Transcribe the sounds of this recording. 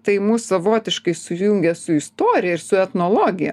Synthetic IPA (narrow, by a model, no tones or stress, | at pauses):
t̪ɐɪmuːssɐʋoːt̪ʲɪʃkɐɪsʊjʊŋʲɡʲɛsʊɪst̪oːɾʲɪjɛɪɾsʊɛt̪noːlˠoːɡʲɪjɛ̰